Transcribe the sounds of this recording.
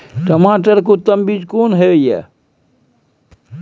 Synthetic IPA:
ʈəmaːʈəɾkot̪əmbid͡ʒkoːnɦeoja̰

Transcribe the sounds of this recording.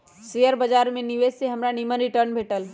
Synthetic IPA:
sejəɾbəd͡ʒaɾmẽniʋed͡ʒseɦəmɾanimənɾiʈəɾnbʱeʈəl

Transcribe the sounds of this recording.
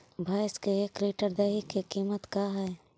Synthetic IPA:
bʱaːskeekliːʈəɾd̪ɛːɦikekiːmət̪kaːɦɛː

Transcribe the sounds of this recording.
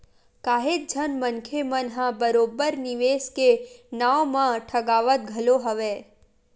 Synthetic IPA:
kaːɦet̪̚d͡ʒʱənmə̃nkʰemənɦãbəɾoːbəɾnɪʋeːskenaomãʈʰəɡaːʋət̪̚ɡʱəloɦəʋeː

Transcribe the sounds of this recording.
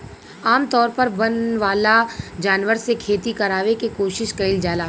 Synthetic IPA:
aːmt̪ɔːɾpɐɾbɐnʋaːlad͡ʒaːnʋəɾsekʰeːt̪ikɐɾaːʋekikoːʃɪʃkɐɪld͡ʒaːlaː

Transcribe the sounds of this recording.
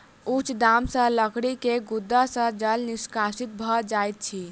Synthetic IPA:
ut͡ʃʰd̪amsə̃ləkʰɽikeɡud̪ːasə̃d͡ʒəlniskasit̪̚bʱɔd͡ʒajt̪̚t͡ʃʰi

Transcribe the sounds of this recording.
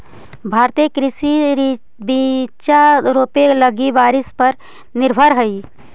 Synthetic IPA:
bʱaːɾt̪iekɾɪsiɾ | bit͡ʃaɾoːpeləɡiʋaːɾɪspəɾ | nɪɾbʱəɾɦəi

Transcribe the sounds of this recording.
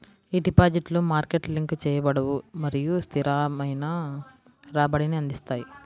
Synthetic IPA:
id̪ipaːd͡ʒiʈlumaːɾkeʈliŋkt͡ʃɛːjɐbɐɽɐwumɐɾijust̪ʰiɾaːmɐjnɐ | ɾaːbɐɽiniɐnd̪ist̪aːji

